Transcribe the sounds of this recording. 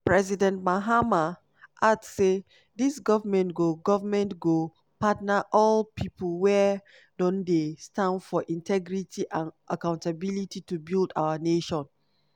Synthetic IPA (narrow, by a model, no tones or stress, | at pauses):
pɹɛzidɛ̃ntmaɦama | ʔadsːe | disɡɔvamɛ̃ntɡoɡɔvamɛ̃ntɡo | patnaʔɔlpʰiplwɛ | dɔ̃ndestãndfɔʔĩntʰɛɡɹitʰiʔãnʔakãʊ̃ntabilititubilda̰waneʃɔ̃n